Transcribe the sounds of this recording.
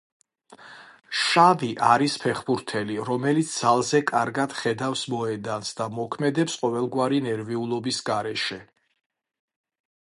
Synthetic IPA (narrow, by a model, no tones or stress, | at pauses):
ʃaviʔaɾispʰɛχbuɾt̪ʰɛliɾɔmɛlit̪sʰd̪z̥alˠzɛkʼaɾɡad̪̥χɛd̪afsmɔɛd̪ansd̪amɔkʰmɛd̪ɛpsqʼɔvɛlˠɡwaɾinɛɾviulˠɔbisɡaɾɛʃɛ